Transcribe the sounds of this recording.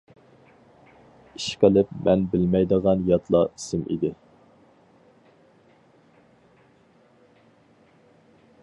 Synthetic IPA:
iʃqəlˠɪpmɛnbɪlmɛjd̪əʁɑnjɑt̪ʰlˠɑisɪmʔḭd̪ɪ

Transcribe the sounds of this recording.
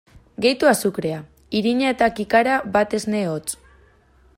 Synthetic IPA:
ɡe̞jt̪uasukɾe̞a | iɾiɲae̞t̪akikaɾaβat̪e̞zne̞ot͡s

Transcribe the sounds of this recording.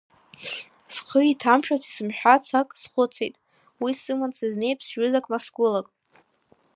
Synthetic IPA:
sqʰəitʰamʃʼᶣat͡sʰi̥sɨmħᶣat͡sʰakʼsχʷʊt͡sʰejtʼ | wisɨmansɨzne̞jpʰsʒʏzakʼmasɡʊlakʼ

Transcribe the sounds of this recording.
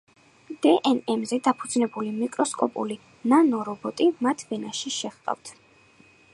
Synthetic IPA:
d̪̥ɛʔɛnɛmzɛd̪apʰud̪znɛbulimikʼɾɔskʼɔ̰pʼṵli | nanɔɾɔbɔt̪ʼimat̪ʰvɛnaʃiʃɛχq̪ʼa̰ft̪ʰ

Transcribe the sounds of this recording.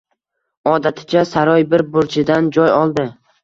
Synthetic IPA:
ɒd̪at̪ʰɪ̥t͡ʃʰasaɾɒjbɪɾbʊɾt͡ʃʰɪd̪and͡ʒɒjɒlˠd̪ɪ

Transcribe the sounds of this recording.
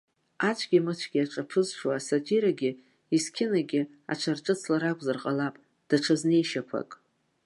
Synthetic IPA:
at͡ʃʷʰɡʲimɨt͡ɕʷʰɡʲiaʈ͡ʂʼapʰɨzʂwaːsotʰiɾaɡʲɪ | iskʲʰɪnaɡʲɪ | a̰ʈ͡ʂʷʰarʈ͡ʂʼɨt͡sʰlaɾakʷʼzarqʼalapʼ | d̥aʈ͡ʂʰazne̞jʃapʷʰa̰kʼ

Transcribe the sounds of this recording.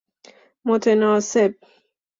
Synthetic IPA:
mot̪ʰenɒːseb̥̚

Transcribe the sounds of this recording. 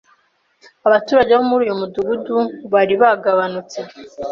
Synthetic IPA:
aβatuːɾaɟeβomuɾuːjomuduɡuduβaɾiβaɡaβanut͡se̞

